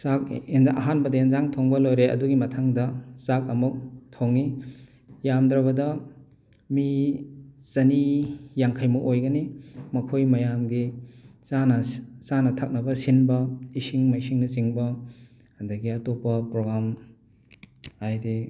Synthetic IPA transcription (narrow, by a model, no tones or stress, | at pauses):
sak̚enzɐ̰ɦanbɐdɐenzaŋtʰoŋbɐlojɾeɐ̰duɡimɐtʰaŋdɐsak̚ɐmuk̚tʰoŋi | jamdɾɐβɐdɐ | mi | sɐnijaŋkʰɐjmɐʔojɡɐnimɐkʰojmɐjamɡisanɐsanɐtʰak̚nɐbɐsinbɐisiŋmaisiŋnɐsiŋbɐ | ɐdɐɡiɐtopːɐpɾoɡɾam | ajde